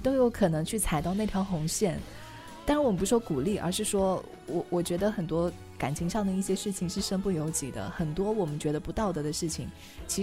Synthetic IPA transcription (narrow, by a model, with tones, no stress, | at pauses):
t̪o˥ʊjo˧˥ʊkʰɤ˨˩nɤ˧˥ŋt͡ɕʰy˥˩t͡sʰa˨˩ɪɑ˥˧ʊna˥˩ɪt̪ʰjɑ˧˥ʊxʊ˧˥ŋɕjɛ˥˩n | t̪a˥˧ɻwɔ˨˩˧p̬u˧˥ʂ̩˥wɔ˥ku˨˩li˥˩ʔə̰˞˧˥ʂɻ̩˥˩ʂwɔ˥ | wɔ˨˩wʔɔ˨˩t͡ɕɥɛ˧˥d̪ə˧xə˨˩nt̪wɔ˥ | ka̰˨˩nt͡ɕʰi˧˥ŋʂɑ˥˩ŋd̪ə˩i˥˩ɕjɛ˥ʂɻ̩˥˩t͡ɕʰi˨˩ŋʂɻ̩˥˩ʂə˥npu˥˩jo˧˥ʊt͡ɕi˨˩d̪ə̰˦xə˨˩nt̪wɔ˥wɔ˨˩mə˦nt͡ɕɥɛ˧˥d̪ə˧pu˧˥t̪ɑ˥˩ʊd̪ɤ˧˥d̪ə˧˦ʂɻ̩˥˩t͡ɕʰi˨˩ŋ | t͡ɕʰi˧˥